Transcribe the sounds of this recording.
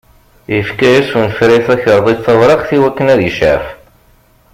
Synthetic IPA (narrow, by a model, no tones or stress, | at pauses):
jəfkæjæsfunfɾiθæçəɾˤðˤiθˤɑwɾˤɑχθiwækːənæðjəʃə̰ɾf